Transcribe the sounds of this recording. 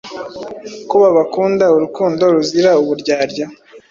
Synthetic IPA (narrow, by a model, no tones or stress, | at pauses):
kuβaβakuːndauɾukuːndo̞ɾuziɾauβuɾɟaːɾɟa